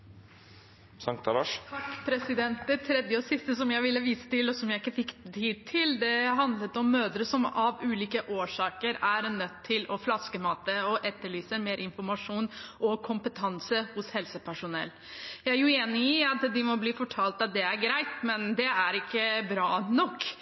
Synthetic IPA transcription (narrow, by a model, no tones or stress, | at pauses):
sɑŋkt̪ɑlɑʂt̪ʰɑkːpʰɾɛsɪd̪ɛnt̪̚d̪ɛt̪ʰɾɛd̪jəɔsɪst̪əsɔmjæɪʋɪlːəʋiːsə̥t̪ɪlɔsɔmjæɪɪkːəfɪkːt̪ʰiːd̪̚t̪ʰɪld̪ɛɦɑnd̪lət̪ɔmːøːd̪ɾəsɔmɑʋʉːliːkəʔoːʂɑːkəɾæɾnœt̪ʰːɪlɔflɑskəmɑːt̪əɔʔɛt̪ːəɭyːsəmeːɾʔɪnfɔɾmɑʂuːnʔɔkʰʊmpət̪ʰɑnsəhʊshɛlsəpʰæʂʊnɛ̰lː | jæɪæɾjʊeːnɪɪɑt̪d̪ɪmɔbliːfɔʈʰɑːlt̪ɑt̪̚d̪ɛæɾɡɾæɪt̪mɛnd̪ɛæɾɪkːəbɾɑːnɔkː